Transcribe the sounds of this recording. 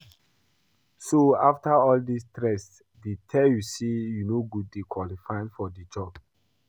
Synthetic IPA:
soaftaɔldistɹɛs | ditʰɛjusejunoɡuddekʰwɔlifãɪ̃nfɔdid͡ʒɔb

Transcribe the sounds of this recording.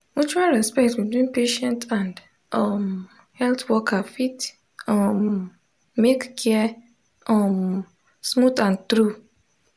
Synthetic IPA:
ut͡ʃualɹɛspɛk̚tbitwĩnpeʃɛ̃ntʰãnd | ɔm | hɛltwɔkʰafit | ɔm | mekkʰɛ | ɔm | smutãntɾu

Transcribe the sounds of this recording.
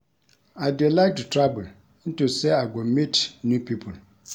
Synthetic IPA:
adilak̚ttʰɹabʊl | n̩tusɛaɡɔmitnũpʰipʰʊl

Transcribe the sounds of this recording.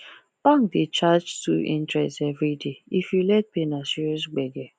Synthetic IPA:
b̥aŋkdɪt͡ʃad͡ʒsṵʔḭ̃ntɹɛstevɾideifjulɛt̚penasiɾus̬ɡ͡beɡe

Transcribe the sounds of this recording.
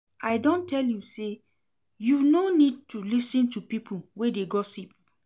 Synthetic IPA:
aɪdɔ̃ntɛljuse | junonid̚tʰulisĩntupipʰuwedeɡɔsip̚

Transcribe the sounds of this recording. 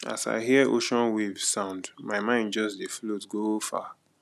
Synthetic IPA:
a̰sa̰ɪɦiəʔoʃɔ̃nwivsãʊ̃ndmaɪmãɪ̃ndd͡ʒɔsdeflotɡofa̰

